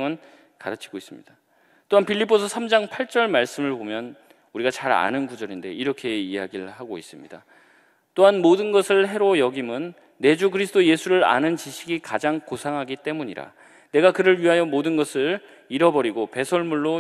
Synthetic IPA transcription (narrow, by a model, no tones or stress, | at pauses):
ŋɯn | ka̰ɾɯt͡ɕʰi̥ɡ̥ois͈ɯmɲid̥a | t͈oɦanpʰiʎːip͈ʰosʰʌsʰamd͡ʑaŋpʰaɭt͡ɕ͈ʌɭmaɭs͈ɯmɯɭbomjʌn | uɾiɡat͡ɕaɾa̰nɯnkud͡ʑʌɾinde̞̰iɾʌkʰe̞iaɡiɭhaɡois͈ɯmɲida̰ | t͈oɦanmodɯnɡʌsʰɯɭɦe̞ɾojʌɡimɯnː | e̞d͡ʑukɯɾisʰɯdʰoje̞sʰuɾɯɾa̰nɯnt͡ɕiɕʰiɡikad͡ʑaŋkosʰaŋɦaɡit͈e̞muɲiɾa̰ | ne̞ɡakɯɾɯɭɥiɦajʌmodɯnɡʌsʰɯɭ | iɾʌbʌɾiɡope̞sʰʌɭmuɭːo